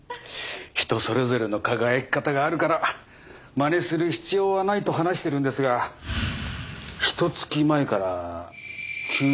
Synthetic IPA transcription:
çi̥t̪o̞so̞ɾe̞zo̞ɾe̞no̞kaɡae̞kːat̪aɡaːɾɯ̟kaɾa | mane̞sɨɾɯ̟çi̥t͡ɕio̞ːβanait̪o̞ɦanaɕi̥t̪e̞ɾɯ̟̃nd̪e̞sɨɡa | çi̥t̪o̞t͡sɨ̥kʲimae̞kaɾa | kʲʰɨː

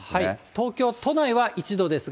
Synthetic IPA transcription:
hait̪o̞ːkʲo̞ːt̪o̞naiβaʔit͡ɕid̪o̞d̪e̞sɨ

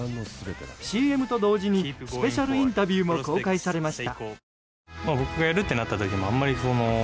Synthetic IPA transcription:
ɕiːe̞mɯ̟t̪o̞d̪o̞ːʑiɲ̟isɨ̥pe̞ɕaɾɯ̟ĩnt̪abʲiɯːmo̞ko̞ːkaisaɾe̞maɕi̥t̪a̰ | mabo̞kɯ̟ɡajaɾɯ̟t̪ːe̞nat̪ːat̪o̞kʲimoamːaɾʲiso̞no

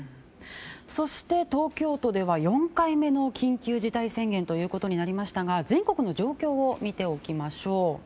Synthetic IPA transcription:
so̞ɕi̥t̪e̞t̪o̞ːkʲo̞ːt̪o̞d̪e̞βajõ̞ŋkaime̞no̞kʲĩŋkʲɨːʑit̪aisẽ̞ŋɡẽ̞nt̪o̞jɯ̟ːko̞t̪o̞ɲ̟inaɾʲimaɕi̥t̪aɡazẽ̞ŋko̞kɯ̟no̞d͡ʑo̞ːkʲo̞ːomʲit̪e̞o̞kʲimaɕo̞ː

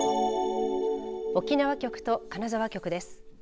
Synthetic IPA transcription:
o̞kʲinaβakʲo̞kɯ̟̥t̪o̞kanazaβ̞akʲo̞kɯ̟d̪e̞sɨ̥

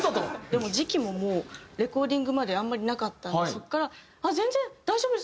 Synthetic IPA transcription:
t̪od̪e̞mo̞ʑikʲimo̞mo̞ːɾe̞ko̞ːd̪ʲĩŋɡɯ̟mad̪e̞ãmːaɾʲinakat̪ːaso̞kːaɾa | azẽ̞nzẽ̞d̪̥aiʑo̞ːbɯd̪es

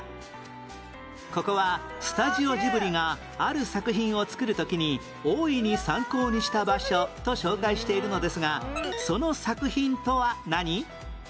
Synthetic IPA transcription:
ko̞ko̞βa | sɨ̥t̪aʑio̞ʑibɯ̟ɾʲiŋaː | ɾɯ̟sakɯ̟çĩɰ̃o̞t͡sɨ̥kɯ̟ɾɯ̟t̪o̞kʲiɲ̟i | oːiɲ̟isãŋko̞ːɲ̟iɕi̥t̪abaɕo̞t̪o̞ɕo̞ːkaiɕi̥t̪e̞iɾɯ̟no̞d̪e̞sɨɡaso̞no̞sakɯ̟çĩnt̪o̞βanaɲ̟i

